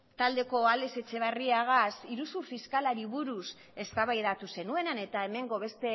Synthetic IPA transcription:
t̪ald̪e̞ko̞ale̞se̞t͡se̞β̞ariaɣasiɾusufiskalaɾiβuɾus | e̞st̪aβajðat̪use̞nue̞nane̞t̪ae̞me̞ŋɡo̞βe̞st̪e̞

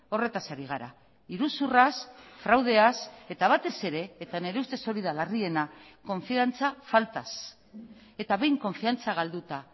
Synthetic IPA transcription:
o̞re̞t̪asaɾiɣ̞aɾa̰ | iɾusurasfɾawð̞e̞ase̞t̪aβ̞at̪e̞se̞ɾe̞ːt̪ane̞ɾe̞ust̪e̞so̞ɾiðalarie̞nako̞ɱfiant͡safalt̪as | e̞t̪aβe̞jŋko̞ɱfiant͡saɣ̞ald̪ut̪a

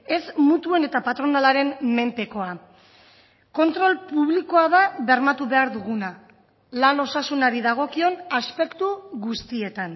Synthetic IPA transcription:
e̞smut̪ue̞ne̞t̪apat̪ɾo̞nalaɾe̞nme̞mpe̞ko̞a | ko̞nt̪ɾo̞lpuβliko̞aðaβe̞ɾmat̪uβe̞aɾðuɣuna | lano̞sasunaɾiðaɣ̞o̞kio̞naspe̞kt̪uɣust̪ie̞t̪an

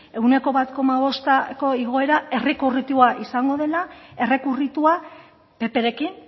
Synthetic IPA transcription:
e̞ɣune̞ko̞βat̪ko̞maβ̞o̞st̪ako̞iɣo̞e̞ɾae̞rekurit̪uaʔisaŋɡo̞ðe̞lae̞re̞kurit̪ua | pe̞pe̞ɾe̞kin

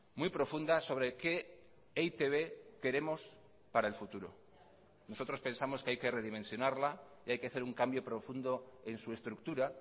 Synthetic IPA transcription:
mwjpɾo̞fund̪aso̞βɾe̞ke̞ | ejt̪e̞βe̞ke̞ɾe̞mo̞s | paɾae̞lfut̪uɾo̞̰ | no̞so̞t̪ɾo̞spe̞nsamo̞skeajke̞re̞ð̞imẽ̞nsjo̞naɾlaiajke̞aθe̞ɾuŋkambjo̞pɾo̞fund̪o̞e̞nsue̞st̪ɾukt̪uɾa

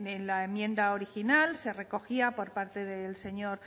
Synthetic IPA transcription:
enlaemjẽ̞nd̪aoɾixinalse̞re̞ko̞xiapo̞ɾpaɾt̪e̞ðelse̞ɲo̞ɾ

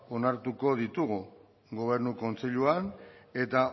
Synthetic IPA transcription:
o̞naɾt̪uko̞ð̞it̪uɣu | ɡo̞β̞e̞ɾnuko̞nt͡seʎuane̞t̪a

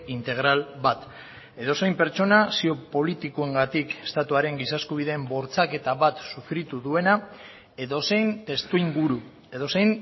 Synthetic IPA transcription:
int̪e̞ɣ̞ɾalβat̪ | e̞ðo̞se̞jmpe̞ɾt͡ʃo̞nasio̞po̞lit̪ikue̞ŋɡat̪ike̞̥st̪at̪uaɾe̞ŋɡisaskuβ̞iðe̞ːmbo̞ɾt͡sake̞t̪aβat̪sufɾit̪uðue̞na | e̞ðo̞se̞jnt̪e̞st̪uiŋɡuɾu | e̞ðo̞se̞jn

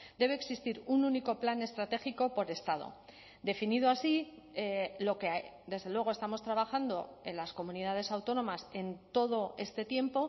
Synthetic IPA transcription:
d̪e̞βeːksist̪iɾununiko̞plane̞st̪ɾat̪e̞xiko̞po̞ɾe̞st̪að̞o̰ | d̪e̞finið̞oasielo̞ke̞d̪e̞zðelweɣ̞oest̪amo̞st̪ɾaβ̞axand̪o̞̰e̞nlasko̞muniðað̞e̞sawt̪o̞nõ̞mase̞nt̪o̞ð̞o̞e̞st̪e̞t̪je̞mpo̞

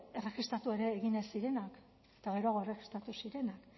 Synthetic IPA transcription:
e̞re̞xist̪ɾat̪ue̞ɾe̞ːɣinesiɾe̞nak | et̪aɣe̞ɾoaɣ̞o̞ere̞xi̥st̪ɾat̪usiɾe̞nak

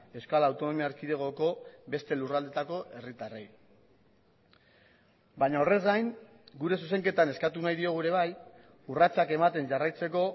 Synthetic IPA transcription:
e̞skalawt̪o̞no̞miaːɾkiðe̞ɣ̞o̞ko̞be̞st̪e̞lurald̪e̞t̪ako̞ʔe̞rit̪arej | baɲaore̞zɡajŋ | ɡuɾe̞suse̞ŋke̞t̪ane̞skat̪unajðio̞ɣ̞uɾe̞β̞aj | urat͡sake̞mat̪e̞nʝarajt͡se̞ko̞

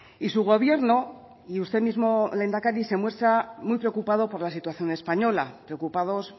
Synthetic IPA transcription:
isuɣ̞o̞β̞je̞ɾno | iust̪e̞mizmo̞le̞nd̪akaɾise̞mwe̞st̪ɾamujpɾeokupað̞o̞po̞ɾlasit̪waθjo̞ne̞spaɲo̞lapɾeokupað̞o̞s

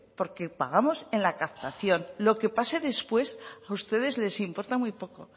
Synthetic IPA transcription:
po̞ɾke̞paɣ̞amo̞se̞nlakapt̪aθjo̞nlo̞ke̞pase̞ðe̞spwe̞saust̪e̞ð̞e̞zle̞simpo̞ɾt̪amwujpo̞ko̞̰

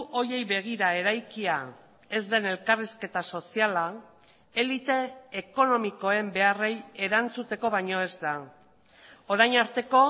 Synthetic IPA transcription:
o̞je̞jβe̞ɣ̞iɾae̞ɾajkia | e̞zd̪e̞ne̞lkariske̞t̪aso̞siala | e̞lit̪e̞ːko̞no̞miko̞e̞mbe̞are̞je̞ɾant͡sut̪e̞ko̞βajɲo̞e̞zd̪a | o̞ɾajɲaɾt̪e̞ko̞

